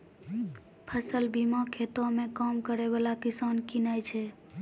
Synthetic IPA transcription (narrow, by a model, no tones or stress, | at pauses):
pʰəsəlbimãkʰet̪omẽkamkəɾebalakisankinajt͡ʃʰɛ